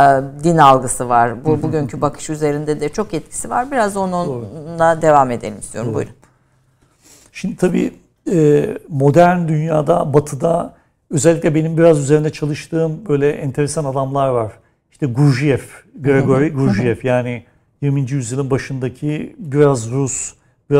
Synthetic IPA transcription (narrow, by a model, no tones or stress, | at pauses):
d̪inalˠɡɯsɯvaɾ̥bubuɟyɲcʰybakʰɯ̥ʃyze̞ɾind̪ɛd̪ɛt͡ʃʰo̞kɛt̪̚cʰi̥siva̰ɾbiɾazo̞nulad̪e̞vaːme̞d̪elʲimist̪ʰioumbṵj̰ | ʃimd̪it̪ʰabḭː | ɛːmo̞d̪æɾnd̪ynjaːd̪abat̪ʰɯd̪a | ø̞zɛlʲːiclʲɛbe̞nimbiɾazyzeɾind̪ɛt͡ʃʰalˠɯʃt̪ʰɯːmbø̞jlʲɛʔɛnt̪ʰe̞ɾesanad̪amlˠaɾvaɾ̥ | iʃt̪ɛɡuɾʒijɛfɡeɾɛɡoɾiɡuɾʒijɛfjaːnɪ | jiɾmind͡ʒijyzjɯlˠinbaʃɯnd̪acʰibiɾazɾus | biɾa